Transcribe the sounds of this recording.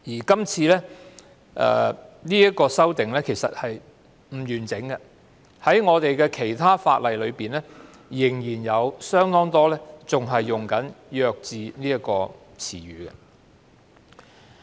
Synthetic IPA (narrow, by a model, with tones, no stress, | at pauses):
jiː˨˩kɐ˥mt͡sʰiː˧lɛː˥ | ʔɛ̰ː˨˧niː˥jɐ˥t̚kɔː˧sɐ˥wt̪ɪ˨ŋlɛː˥kʰe˨˩jsɐ˨t̚hɐ˨j | m̩˨˩jyː˨˩nt͡sɪ˨˥ŋɡɛ˧ | hɐ˨˥jŋɔː˨˧t̪e˨jkɛː˧kʰe˨˩jt̪ʰaː˥fa̰ː˧t̚lɐ˨jlɵ˨˧ɥpiː˨nlɛː˥ | jɪ˨˩ŋjiː˨˩njɐ˨˧wsœː˥ŋt̪ɔː˥ŋt̪ɔː˥lɛː˥t͡sʊ˨ŋɦɐ˨jːʊ˨˩ŋkɐ˨˥njœː˧k̚t͡siː˨niː˥jɐ˥t̚kɔː˧ | t͡sʰḭː˨˩ɥyː˨kɛ̰˧